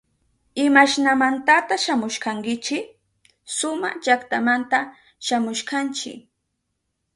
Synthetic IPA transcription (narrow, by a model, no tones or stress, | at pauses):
ɪmaʃnamant̪at̪aʃamʊʃkaŋkɪt͡ʃɪ | sʊmat͡ʃakt̪amant̪a | ʃamʊʃkant͡ʃɪ̰